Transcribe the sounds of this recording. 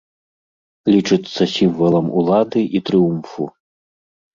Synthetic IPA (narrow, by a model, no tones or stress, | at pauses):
lʲit͡ʂɨt̪sːɐsʲiɱvɐlˠɐmṵlˠad̪ɨʔit̪ɾɨumfṵ